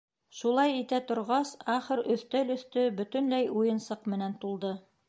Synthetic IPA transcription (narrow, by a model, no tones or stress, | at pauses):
ʃulˠɑjit̪æt̪ŏɾʁɑsɑχɤ̆ɾɵ̆θt̪ælɵ̆θt̪ɵbɵ̆t̪ɵ̆nlæjujɤ̆nsɤqmɘ̆nænt̪ulˠd̪ɤ